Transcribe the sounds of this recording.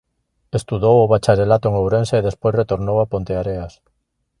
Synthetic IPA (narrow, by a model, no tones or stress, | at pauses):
est̪uðowʊβat͡ʃaɾelat̪oeŋowɾenseeðespojsret̪oɾnowapont̪eaɾeas